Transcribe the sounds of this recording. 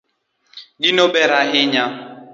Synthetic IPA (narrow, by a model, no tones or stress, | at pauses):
dinobɛɾaɦɪɲa